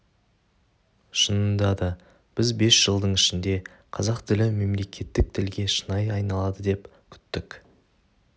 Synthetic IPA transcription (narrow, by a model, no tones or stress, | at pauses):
ʃənənd̪ɑd̪ə | b̥ɪzbe̞sʒ̥əlˠd̪əɴɪʃɪnd̪e̞ | qʰɑzɑqt̪ʰɪlɪme̞mle̞kʲʰe̞t̪ːɪk̚t̪ʰɪlɡʲe̞ʃənɑjɑjnɑlˠɑd̪əd̪e̞p | kʲʰʏ̥t̪ːɪk